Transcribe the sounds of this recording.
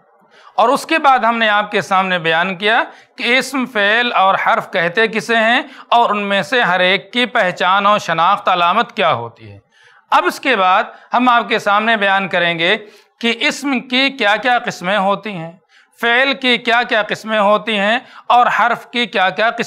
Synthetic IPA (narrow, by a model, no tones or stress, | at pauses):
ɔːɾʊskebaːd̪ɦɐmneaːp̚kesaːmnebɐjaːnkijakiɪsmfeːlɔːɾhɐɾfkɛɦt̪ekɪseɦɛ̃ɔːɾʊnmẽseɦɐɾeːkːipɛɦt͡ʃaːnõʃɐnaːxt̪ɐlaːmət̪kjaːɦo̰ːt̪ḭɦɛ̰̃ː | ɐbʊskebaːd̪̚hɐmaːp̚kesaːmnebɐjaːnkɐɾẽːɡe | kiʔɪsmkikjaːkjaqɪsmẽɦoːt̪iɦɛ̃ː | feːlkikjaːkjaːqɪsmẽɦoːt̪iɦɛ̃ɔːɾhɐɾfkikjaːkjaqɪs